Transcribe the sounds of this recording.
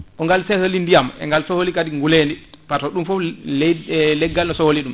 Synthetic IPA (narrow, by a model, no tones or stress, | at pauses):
ʔɔŋɡalsajhəlindijamɛ̰ŋɡalsɔholikadiŋɡulendi | patɔɗumfɔlɛlɛɡːalnɔsɔholiɗum